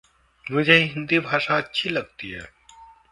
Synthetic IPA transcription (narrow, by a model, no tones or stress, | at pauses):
mʊd͡ʒʱeɦĩɦɪnd̪ibʱaːʃaɐtːʃʰilɐɡt̪iɦɛ̰ː